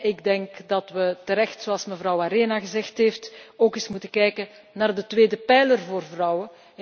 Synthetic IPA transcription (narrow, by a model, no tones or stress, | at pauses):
ɪɡdɛŋkdɑtʋətəɾɛxtsoɑlˠsməvrɑwaɾeːnaɣəzɛxtɦeːftoːkɪsmutəkɛjkə | naːrdətʋeːdəpɛjlərvoːrvrɑwə